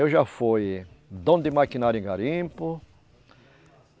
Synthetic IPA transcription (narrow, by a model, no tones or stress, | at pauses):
ewʒafoj | d̪õd̪ɪmakĩnaɾjʊẽɡaɾĩpʊ